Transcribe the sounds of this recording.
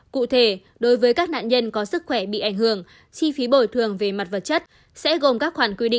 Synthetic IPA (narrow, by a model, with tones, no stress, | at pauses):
kṵ˧˨t̪ʰe˧˩ | ɗo˨˦jvəː˨˦jkaː˦˥k̚na̰ː˧˨nɲə˧nkɔ˨˦sɨ˦˥k̚xwɛ˧˩ɓḭ˧˨ʔa˧˩jŋ̟hɨ˧˩əŋ | t͡ɕi˧fi˨˦ɓo˧˩jt̪ʰɨ˨˩əŋve˨˩ma˨˩t̚və˨˩t̚t͡ɕə˦˥t̚ | sɛ̰˧˥ɣo˨˩mkaː˦˥k̚xwaː˧˩nkwi˧ɗḭ˧˨